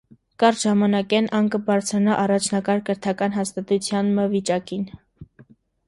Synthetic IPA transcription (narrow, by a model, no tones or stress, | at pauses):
kɑɾʒɑmɑnɑkɛnʔɑŋkəbɑɾt͡sʰɾɑnɑʔɑrɑt͡ʃʰnɑkɑɾkəɾt̪ʰɑkɑn̪ɦɑst̪ɑt̪ut͡sʰjɑnməvit͡ʃɑkin